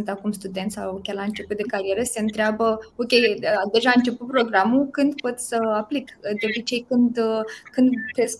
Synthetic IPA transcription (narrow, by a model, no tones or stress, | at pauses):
nt̪akumst̪ud̪e̞nt̪sʲawokʲelaɨnt͡ʃe̞put̪d̪e̞kaɾijeɾəse̞ɨnt̪ɾeabəokʲejd̪e̞ʒaɨnt͡ʃe̞put̪̚pɾo̞ɡɾamukɨnd̪po̞t̪ʲsəaplikd̪eo̞bit͡ʃe̞jkɨnd̪kɨnd̪t̪ɾes